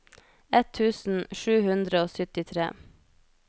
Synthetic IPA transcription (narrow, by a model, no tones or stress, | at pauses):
ɛt̪ʰːʉːsn̩ʃʉːhʉnd̪ɾəoːsʏt̪ɪt̪ʰɾḛː